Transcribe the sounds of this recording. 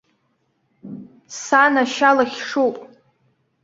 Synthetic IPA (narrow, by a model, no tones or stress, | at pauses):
sanaʃalaχʲʂowpʼ